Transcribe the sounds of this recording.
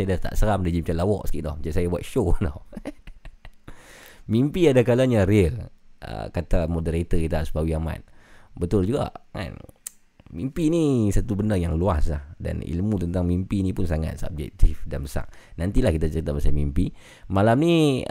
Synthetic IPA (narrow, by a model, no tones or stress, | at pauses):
ajadat̪a̰ʔsəɾamdad͡ʒimat͡ʃamlawɔ̰ʔsə̥kiʔdɔhmat͡ʃansajabua̰t̪̚ʃonɔ | mimpiadakalaɲaɾelʔə̰kat̪amodəɾat̪əkit̪aʔsə̥pawiama̰t̪̚bət̪ʊld͡ʒuɡa̰ʔŋa̰n | mimpinisat̪ubəndərjaŋluaslahda̰nḭlmut̪ənt̪aŋmimpinipʊnsaŋa̰t̪̚sa̰b̚d͡ʒɛ̰k̚t̪ifdanbəsa̰ʔ̚nant̪ilahkit̪at͡ʃəɾit̪aʔbasajmimpi | malamni